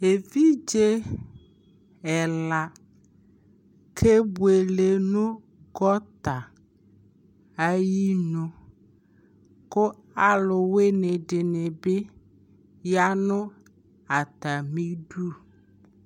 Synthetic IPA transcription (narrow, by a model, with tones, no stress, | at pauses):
e˨vi˦d͡ʒe˦ | ɛ˨la˨ | kʰe˦bu˦˨e˨le˨nũ˦ | ɡɔ˦t̪a˨ | a˦ji˦nʊ̃˦ | ko˦ | a˨lʊ˨we˦ne˨ɖe˨ne˨be˦ | ja˦nʊ̃˦ | a˨t̪a˨mĩ˦ɖu˦